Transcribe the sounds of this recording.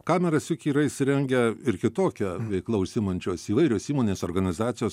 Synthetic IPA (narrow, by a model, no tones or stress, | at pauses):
kɑːmʲɛɾɐsʲɪkʲiːɾɐɪisʲɪɾʲɛŋʲɡʲɛɪɾkʲɪt̪oːkʲɛʋʲɛɪklˠɐʊʃʲsʲɪmɐnʲt͡ʃʲoːsiːʋɐɪɾʲoːsiːmoːnʲeːsoːɾɡɐnʲɪzɑːt̪sʲɪjoːs